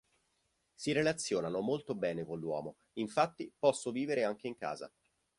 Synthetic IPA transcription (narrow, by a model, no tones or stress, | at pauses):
siɾelat̪sːjoːnanomolt̪obɛːnekonlːwɔ̰ːmo | iɱfat̪ːipɔsːoviːveɾeaŋk̟eiŋka̰ːza̰